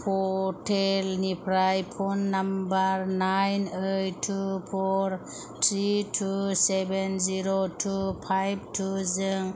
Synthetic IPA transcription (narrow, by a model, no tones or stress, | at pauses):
pʰɔtʰelnipʰɾajpʰonːambaɾnajnejtʰːupʰɔɾ | tʰɾitʰusebenziɾotʰupʰajb̚tʰuzɯŋ